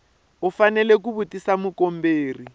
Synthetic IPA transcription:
ʊfanɛlekuβutʼisamʊkom̩beːri

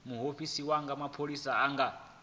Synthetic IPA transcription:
muɦoɸisiwaŋɡamapʰolisaːŋɡa

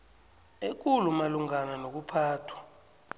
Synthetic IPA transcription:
ek̬ʼulumaluŋananok̬upʰaːtʰwḁ

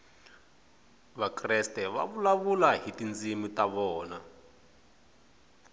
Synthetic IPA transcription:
βakrɛstɛβa̰βulaβulaɦitind͡zimitʼaβɔːna

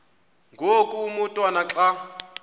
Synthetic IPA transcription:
ŋɡʱokʼumutʼwanaǁa

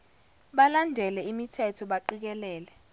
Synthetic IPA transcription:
ɓalandʱɛlɛimitʰɛtʰɔɓaǃik̬ɛlɛːlɛ

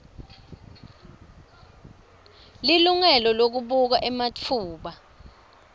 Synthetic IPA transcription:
liluŋɛlɔlok̬uɓuk̬aʔɛmat͡fʰuːɓa

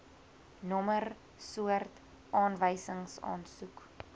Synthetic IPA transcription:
nɔmər | suərt | ʔɑːnvəjsəŋsɑ̰ːnsuk

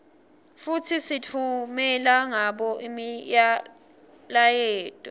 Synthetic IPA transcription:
futʰisitʰumɛlaŋaɓɔʔimija | lajɛːd̥ʱʼɔ

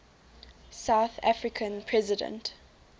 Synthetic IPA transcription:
saʊθa̰fɹɪkʰə̃npʰɹɛzɪdə̰̃nt

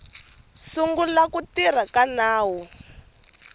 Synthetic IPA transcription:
suŋɡulakutir̤akanaːwu

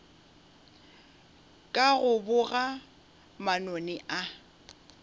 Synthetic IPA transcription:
kʼaɣʊbʊɣa | manonɪʔa

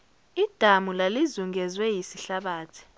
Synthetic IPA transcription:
id̥ʱamulalizuŋɡɛzwɛjisiɬaɓaːtʰi̥

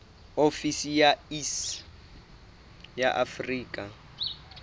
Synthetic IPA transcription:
ofisijais | jaʔafriːkʼa

